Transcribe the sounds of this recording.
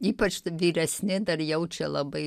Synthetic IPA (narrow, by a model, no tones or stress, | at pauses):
iːpɐt͡ʃʋʲiːɾʲɛsʲnʲɪd̪ɐrjɛʊt͡ʃʲɛlˠɐbɐɪ